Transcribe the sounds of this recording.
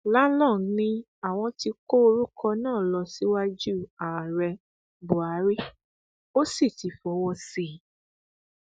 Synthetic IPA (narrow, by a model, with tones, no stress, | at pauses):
la˦lɔ̃˦˨˦nĩ˧ | a˨w̃ɔ̃˧ti˧ko˦o˧ɾu˦kɔ˧nãː˦˨lɔ˧si˦wa˦d͡ʒu˦˨a˨ɾɛ˧ | bo˨a˨˦ɾi˦ | o˦si˦˨ti˨˦fɔ˨˦wɔ˧si˦˨